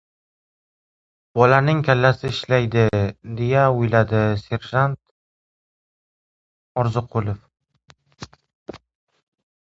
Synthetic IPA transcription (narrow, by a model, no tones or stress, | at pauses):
b̥ɒlanɪŋkʲʰalːasɪɪʃlajd̪ɪd̪e̞jaʊjlad̪ɪse̞ɾʒant̪̚ | ɒɾzɨqʰʊlˠof